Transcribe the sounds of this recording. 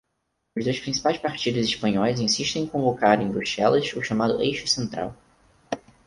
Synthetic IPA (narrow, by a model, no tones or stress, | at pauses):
ʊzd̪ojspɾĩsi̥pajspaɾt͡ʃid̪ʊziʃpɐ̃ɲɔjzẽsiʃt̪ẽẽkõvokaɾẽj̃bɾuʃɛlɐzʊʃamad̪ʊ̰ʔejʃʊsẽnt̪ɾa̰w